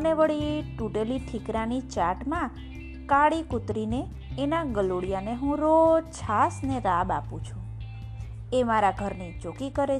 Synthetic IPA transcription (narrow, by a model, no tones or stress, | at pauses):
neʋəɭiʈuɖeliʈʰikɾanit͡ʃaʈmã | kaɽikʊt̪ɾineː | naɡəloɽijaneɦũɾot͡ʃʰasneɾaba̰pṵ̃t͡ʃʰũ | emaɾaɡʱəɾnit͡ʃokikəɾe